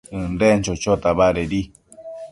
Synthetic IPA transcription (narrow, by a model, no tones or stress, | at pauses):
ɨ̃nɾent͡ʃot͡ʃot̪aβaɾeɾi